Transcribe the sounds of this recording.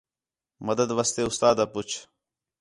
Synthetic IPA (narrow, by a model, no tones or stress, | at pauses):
məd̪əd̪ʋəst̪eːʊst̪aːd̪aːpʊt͡ʃʰ